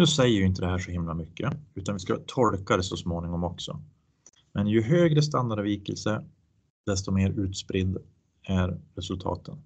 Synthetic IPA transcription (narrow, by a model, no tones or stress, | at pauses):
nʉ̟ːsɛjːəɾɪɪnt̪əd̪ɛɦæːʂɔhɪmlamʏkːəʉ̟ːt̪anvɪskat̪ʰɔlkaɾəsɔsmoːnɪŋɔmɔksɔ̰ | mɛnjɵɦøːɡɾəs̬t̪and̪aɖviːkə̰lsə | d̪̥ɛst̪ɔmeːɾʉ̟ːt̪spɾɪd̪ː | æɾːɛsɵlt̪ʰɑ̰ːt̪ʰən